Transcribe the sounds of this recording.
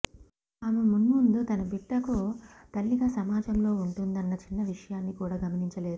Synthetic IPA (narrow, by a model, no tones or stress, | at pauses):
aːmemunmund̪ut̪ɐnɐbiʈːɐkut̪ɐlːiɡaːsɐmaːd͡ʒɐmlo̞ːuɳʈund̪ɐnːɐt͡ʃinːɐʋiʂɐjaːnːikuːɽaːɡɐmɐniɲt͡ʃɐle̞ːd̪uu